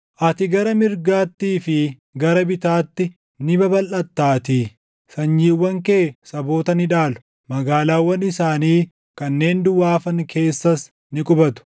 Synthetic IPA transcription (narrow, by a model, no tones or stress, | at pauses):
ʔɐt̪ɪɡɐɾɐmɪɾɡaːt̪ːiːfɪ | ɡɐɾɐbɪt̪aːt̪ːɪ | nɪbɐbɐlʔɐt̪ːaːt̪iː | sɐɲd͡ʒiːwːɐŋkeːsɐbo̞ːt̪ɐnɪᶑaːlʊ̥ | mɐɡaːlaːwːɐnɪsaːniː | kɐnːe̞ːnd̪ʊwaːfɐŋkʰe̞ːsːɐs | nɪkʼʊbɐt̪ʊ̥